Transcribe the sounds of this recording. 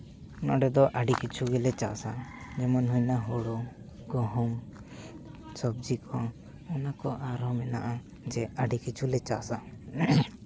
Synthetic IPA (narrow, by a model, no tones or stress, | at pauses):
ɔna̰ɖɛd̪ɔʔaɖikit͡ʃʰuɡɛlɛt͡ʃasa̰d͡ʒɛmɔnɦujnaɦɔɽɔ | ɡɔɦɔm | sɔb̚d͡ʒikʰɔ | ɔnakɔʔaɾɦɔmɛnaʔa | d͡ʒɛaɖikit͡ʃʰulɛt͡ʃasa